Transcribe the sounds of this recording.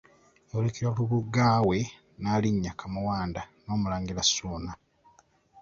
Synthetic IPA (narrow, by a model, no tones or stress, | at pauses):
olekiɾakuβuɡːaːwe̞ | naliɲːakʰamuwaːndano̞ːmulaːŋɡilasuːna